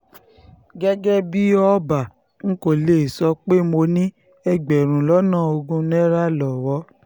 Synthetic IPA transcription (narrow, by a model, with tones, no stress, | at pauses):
ɡɛ˦ɡɛ˦bi˦ɔ˦ba˨ | ŋ̩˦ko˦˨le˦˨sɔ˧˦k͡pe˦mo˧nĩ˦ | ɛ˧ɡ͡bɛ˨ɾ̃ũ˨lɔ˨˦nãː˦˨o˧ɡũ˦nɛ˦ɾa˦lɔ˨wɔ˧˦